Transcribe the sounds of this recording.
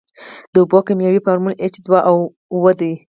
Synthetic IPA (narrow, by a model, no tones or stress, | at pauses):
d̪̥əʊbɔkamjawifaɾmulet͡ʃd̪waʔaw | wəd̪e